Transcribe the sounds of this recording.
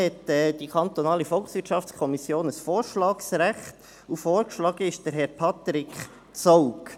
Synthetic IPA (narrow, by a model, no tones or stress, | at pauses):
hɛtɛd̥ikʰɑnt̪ɔnɑːlifɔlˠksʋɪtʃɑftt͡skʰɔmisjoːnəsfoːɾʃlɑːksɾæχt | ufoːɾkʃlɑɡ̥əɪʃd̥əɾɦɛɾpʰɑt̪ɾɪkχ | t͡sɔʊk